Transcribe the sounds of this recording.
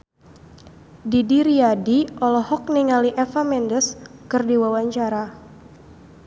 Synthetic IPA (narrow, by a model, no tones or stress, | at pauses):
didiɾiadiʔɔlɔhɔk̚niŋaliʔɛfamɛndəskɨrdiwawaɲt͡ʃaɾa